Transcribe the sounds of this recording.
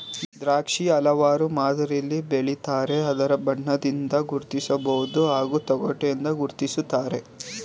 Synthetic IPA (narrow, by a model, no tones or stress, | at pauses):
d̪ɾaːkʂiɐlɐʋaːɾumaːd̪ɐɾilːibeɭit̪aːɾe̞ɐd̪ɐɾɐbɐɳːɐd̪ind̪ɐɡuɾt̪isɐbɐwud̪uɦaːɡut̪ɔɡɔʈːend̪ɐɡuɾt̪isut̪ːaːɾe̞